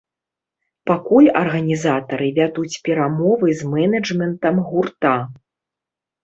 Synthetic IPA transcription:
pakulʲɐrɣɐnʲizat̪ɐɾɨvʲad̪ut͡sʲpʲɛɾamɔvɨzmɛnɐd͡ʐmʲɛnt̪ɐmɣurt̪a

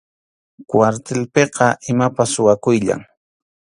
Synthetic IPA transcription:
kwaɾt̪elpeqɑʔɪmapasʊwakʊjʎa̰ŋ

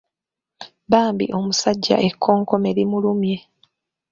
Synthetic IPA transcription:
baːmbḭʔo̞musaɟːa̰ʔe̞kʰːo̞ːŋko̞me̞ɾimulumje̞

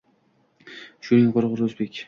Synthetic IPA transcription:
ʃʊnɪŋqʰoɾʁɨɾɵzbe̞kʲ

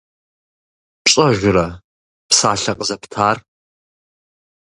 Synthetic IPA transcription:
pɕʼɐʒʷʊɾɐ | psaːɬɐqʼəzɐpʰtʰaːr

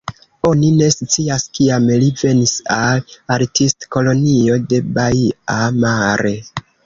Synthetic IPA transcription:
o̞nine̞sut͡siaskiamlive̞nisalaɾtistko̞lo̞nio̞de̞baiamaɾe̞

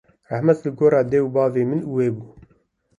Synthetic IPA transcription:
rahmɛt̪lɨɡoːɾɑːd̪ɛwbɑːveːmɨnuweːbuː

